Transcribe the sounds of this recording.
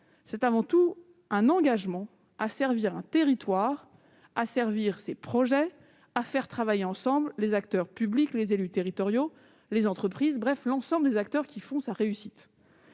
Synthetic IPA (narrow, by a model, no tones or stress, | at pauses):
sɛt̪avɑ̃t̪u | ɛ̃nɑ̃ɡaʒmɑ̃ | asɛʁviʁɛ̃t̪eʁit̪waːʁ | asɛʁviʁsepχɔʒɛ | afɛʁt̪χavajeɑ̃sɑ̃bllezak̚t̪œʁpybliklezelyt̪eʁit̪ɔʁjo | lezɑ̃t̪χəpχizbʁɛflɑ̃sɑ̃bləd̪ezak̚t̪œʁkʲifɔ̃saʁeysit̪